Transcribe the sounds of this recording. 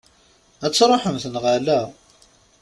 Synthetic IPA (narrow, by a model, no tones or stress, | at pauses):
æt͡sːɾˤoħəmθənʁalæ